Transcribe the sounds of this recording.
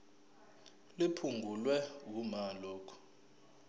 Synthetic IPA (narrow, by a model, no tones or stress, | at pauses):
lipʰuŋɡʱulwɛwumalɔːkʰu̥